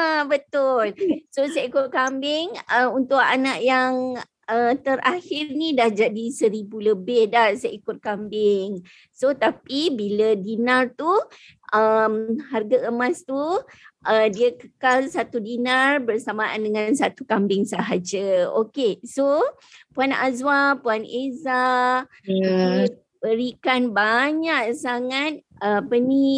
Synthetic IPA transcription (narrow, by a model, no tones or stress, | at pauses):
abət̪ʊlsosəikʊt̚kambɪŋəunt̪ʊʔa̰naʔjaŋ | ət̪əɾʔahɪrnidahd͡ʒadisəɾibuləbɪhdahsəʔikʊt̪̚kambɪŋ | sot̪apibilədinart̪u | əmɦarɡaʔəmãst̪uʔədiəkəkalsat̪udinarbərsamaandəŋansat̪ukambɪŋsəɦad͡ʒəo̰keso | puana̰zwapuaneza | bəɾikanbaɲaʔsaŋat̪̚əpənĩ